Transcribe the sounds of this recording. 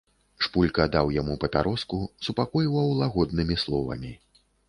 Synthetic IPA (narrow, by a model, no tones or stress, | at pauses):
ʂpulʲkɐd̪awjamupɐpʲaɾɔskusupakɔjiwɐwlˠaɣɔd̪nɨmʲislˠɔvɐ̰mʲi